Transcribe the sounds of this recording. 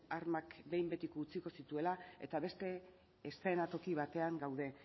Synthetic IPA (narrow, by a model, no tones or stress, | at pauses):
aɾmakbe̞jmbe̞t̪ikːt͡siko̞sit̪ue̞lae̞̰t̪aβe̞st̪e̞ː | st̪e̞nat̪o̞kiβ̞at̪e̞aŋɡawð̞e̞